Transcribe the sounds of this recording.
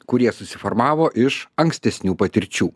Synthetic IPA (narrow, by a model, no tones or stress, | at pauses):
kʊɾʲiɛsʊsʲɪfɔɾmɑːʋoːʔɪʃɐŋksʲt̪ʲɛsʲnʲuːpɐt̪ʲɪɾʲt͡ʃʲuː